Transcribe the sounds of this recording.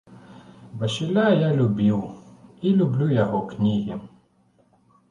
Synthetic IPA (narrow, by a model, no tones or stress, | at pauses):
bɐʃɪlʲajalʲʊbʲiwilʲʊblʲujɐɦɔknʲiɦʲi